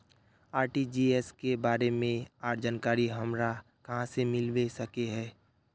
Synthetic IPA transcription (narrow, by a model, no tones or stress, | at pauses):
aːɾʈid͡ʒiːɛskebaːɾemẽaːɾd͡ʒaːnkaːɾiɦɐmɾa | kɐɦãsemɪlʋesɐkeɦɛː